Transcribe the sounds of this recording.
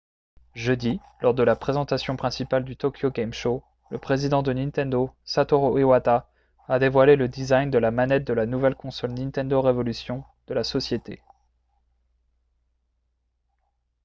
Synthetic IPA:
ʒød̪i | lɔʁd̪əlapχezɑ̃t̪asjɔ̃pχɛ̃sipald̪yt̪ɔkʰʲjoɡɛmʃo | ləpχezid̪ɑ̃d̪ənĩnt̪ɛ̃nd̪osat̪ɔʁoewat̪aː | d̪evwaleləd̪izajnd̪əlamanɛt̪̚d̪əlanuvɛlkɔ̃sɔlnĩt̪ɛ̃nd̪oʁevɔlysjɔ̃d̪̥əlasɔsjet̪ḛ

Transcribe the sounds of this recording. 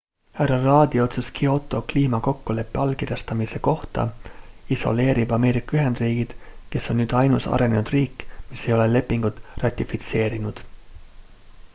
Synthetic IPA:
hærɑrɑːd̪̥io̞t̪suskio̞t̪ːˑo̞kliːmɑko̞kːule̞pːeɑlkirjɑst̪ɑmise̞ko̞ht̪ɑ̰iso̞̰le̞ːɾib̥ɑme̞ːɾikːˑɑyɦe̞nd̪riːɡ̥id̪̥ke̞sːo̞nːnyːd̪̥ɑjnusɑ̰ɾe̞ne̞nud̪riːkːmise̞jo̞le̞le̞pːiŋɡ̥ut̪ːˑrɑt̪ʲːˑifit̪se̞ːɾinud̪̥

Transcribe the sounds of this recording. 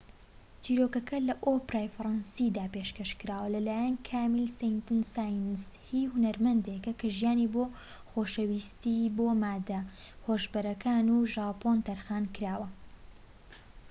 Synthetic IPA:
t͡ʃiːɾoːkɐkʰɐlɐʔopɾaːjfɾˤɑnsid̪aːpeʃkɐʃkɨɾaːwɐlɐlaːjɐnkʰaːmilsɛjnt̪ɨnsaːjnz | hihʊnɐɾmɐnd̪ekɐkʰɐʒjaːniboː | xoːʃɐwist̪iboːmaːd̪ɐ | hoʒbɐɾɐkʰaːnuːʒaːpont̪ɐɾxaːnkɨɾaːwɐ

